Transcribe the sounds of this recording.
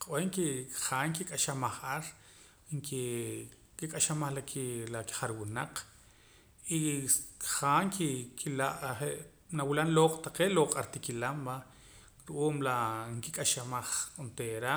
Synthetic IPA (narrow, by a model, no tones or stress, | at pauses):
qweŋkiχaːŋkikʼaʃamaχʔaɾ | ŋki | kikʼaʃamaχlakilaki̥χaɾwunaq͡χ | i | χaːŋkikʰilaʔχeʔ | nawilanloːqʼt̪aqeːʔloqʼaɾt̪ikilamba | ɾuʔuːmlaŋkikʼaʃamaχkont̪eɾa